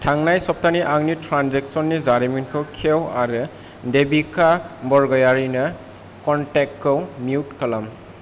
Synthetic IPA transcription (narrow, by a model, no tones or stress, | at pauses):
tʰaŋnajsɔp̚tʰaniʔaŋnitʰɾanzeksɔnːizaɾiminkʰɯwkʰewa̰ɾɯ | debikabɔɹɡɔjaɾinɯ | kɔntek̚tʰːɯwmiutkʰalam